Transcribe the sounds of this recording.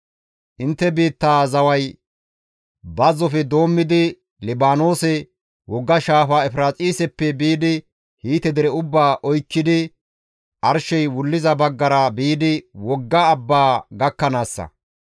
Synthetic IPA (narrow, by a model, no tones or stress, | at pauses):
ʔɪnt̪ːɛbiːt̪ːaːzɐwɐj | bɐzɔfɛd̪o̞ːmːɪd̪ɪ | lɪbaːno̞ːsɛ | wɔɡːɐʃaːfaːɛfɪɾaːt͡sʼiːsɛpːɛbiːd̪ɪ | hiːt̪ɛd̪ɛɾɛʊbːaːʔɔjkːɪd̪ɪ | ʔɐɾʃɛjwʊlːɪzɐbɐɡːɐɾɐbiːd̪ɪwɔɡːɐːbːaːɡɐkːɐnaːsːɐ̰